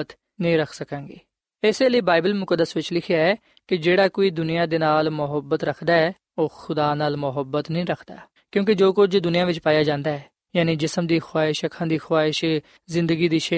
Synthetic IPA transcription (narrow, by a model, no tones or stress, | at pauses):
t̪ | nəĩːɾəkʰsəkãːŋɡeː | eseːləiːbaːɪbəlmʊkəd̪ːəsʋɪt͡ʃlɪkʰɪjaːɛː | kɪd͡ʒeːɽaːkoːiːd̪ʊnijãːd̪eːnaːlmʊɦəbːət̪ɾəkʰd̪aːɛː | oːxʰʊd̪aːnaːlmʊɦəbːət̪nəĩːɾəkʰd̪a̰ː | kjõːked͡ʒoːkʊd͡ʒd̪ʊnijãːʋɪt͡ʃpaːjaːd͡ʒãːnd̪aːɛː | jaːniːd͡ʒɪsəmd̪iːxʰaːɪʃəkʰãːd̪iːxʰwaːɪʃ | zɪ̃nd̪əɡiːd̪iːʃe